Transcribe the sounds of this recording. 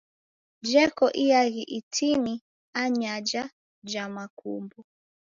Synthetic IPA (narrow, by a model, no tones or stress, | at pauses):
d͡ʒɛkɔʔijaɣiʔitʰini | aɲad͡ʒa | d͡ʒamakumbɔ